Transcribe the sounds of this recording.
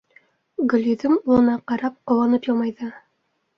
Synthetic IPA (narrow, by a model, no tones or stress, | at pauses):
ɡɵ̆lʲjɵ̆ðɘmulˠɤ̆nɑqɑɾɑp̚qŏwɑnɤpjolˠmɑjðɤ